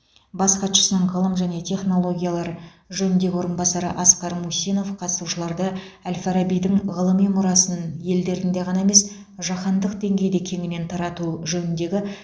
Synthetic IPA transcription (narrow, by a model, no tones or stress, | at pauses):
bɑsqɑt̪ʃə̥sənəɴʁəlˠəmʒæne̞t̪ʲʰe̞χno̞lˠo̞ɡʲijalˠɑɾ | ʒɵnɪnd̪eɡʲɪwo̞ɾənbɑsɑɾə̰ʔɑsqɑɾmusijno̞fqʰɑt̪ə̥suʃəlˠɑɾd̪ə | ælfaɾabijd̪ɪŋʁəlˠəmijmʊɾɑsənənje̞ld̪e̞ɾɪnd̪e̞ʁɑnɑeme̞s | ʒɑqɑnd̪əq̚d̪e̞ŋɡʲe̞jd̪e̞kʲʰe̞ŋɪne̞nt̪ʰɑɾɑt̪uʒɵnɪnd̪e̞ɡʲɪ